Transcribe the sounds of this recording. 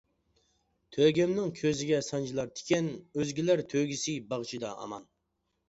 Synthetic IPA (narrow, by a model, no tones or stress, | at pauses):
t̪ʰøɡʲɛmnɪŋkʲʰøzɪɡʲɛsɑnd͡ʒilˠɑɾt̪ʰɪ̥kʲɛnøzɡʲilæɾt̪ʰøɡʲisɪbɑʁt͡ʃʰid̪ɑ̰ʔɑ̰mɑn